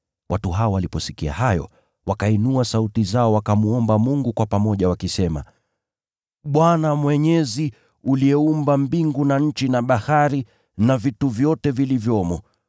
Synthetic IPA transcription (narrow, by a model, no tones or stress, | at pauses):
wʔatuɦaɔwalipɔsikia̰hajɔ̰ | wakainuasautizaɔwakamuɔmbamuŋɡukwapamɔʄawakisɛma̰ | ɓwanamwɛɲɛzi | uliɛumbambiŋɡunaɲ̩t͡ʃinaɓahaɾi | navituvjɔtɛvilivjɔmɔ